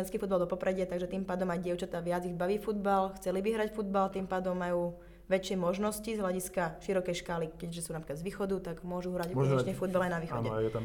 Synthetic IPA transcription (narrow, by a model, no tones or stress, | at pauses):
ɛnskiːfud̪balˠd̪ɔpɔpɾɛɟɪat̪aɡʒɛt̪iːmpaːd̪ɔmajɟɪɛʊt͡ʃat̪aːʋɪad͡ziɣbaʋiːfud̪balxt͡sɛlibiɦɾacfud̪balt̪iːmpaːd̪ɔmːajuː | ʋɛt͡ʃɪɛmɔʒnɔscizɦlaɟiskaʃiɾɔkɛjʃkaːlikɛɟʒɛsuːnapɾikad̪zʋiːxɔd̪ut̪aɡmʊɔʒuɦɾaɟɔɔɛɲɛfud̪̚balajnaʋiːxɔnɛjɛt̪a